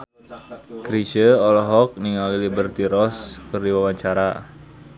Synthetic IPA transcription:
kɾit͡ʃəɔlɦɔk̚niŋalilibərt̪iɾɔskərdiwawaɲt͡ʃaɾa

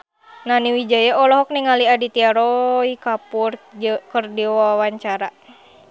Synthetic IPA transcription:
naniwid͡ʒajaɔlɔɦɔk̚niŋaliadit̪iaɾɔikapurkərdiwaawaɲt͡ʃaɾa

